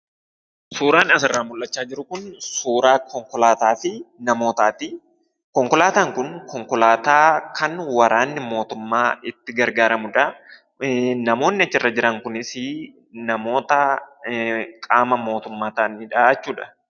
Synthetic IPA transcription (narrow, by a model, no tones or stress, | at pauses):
suːɾaːnɐsɪrːaːmʊlʔɐt͡ʃːaːd͡ʒɪɾʊkʊnsuːɾaːkʰɔŋkɔlaːt̪aːfɪnɐmo̞ːt̪aːt̪i | kɔŋkɔlaːt̪aːŋkʊnkɔŋkɔlaːt̪aːkʰɐnwɐɾaːnːɪmo̞ːt̪ʊmːaːɪt̪ːɪɡɐɾɡaːɾɐmʊᶑɐ | nɐmo̞ːnːɪɐt͡ʃːɪrːɐd͡ʒɪɾɐŋkʊnɪsɪ | nɐmo̞ːt̪ɐ | kʼaːmɐmo̞ːt̪ʊmːaːt̪aːnɪᶑaɐt͡ʃːuːᶑɐ̥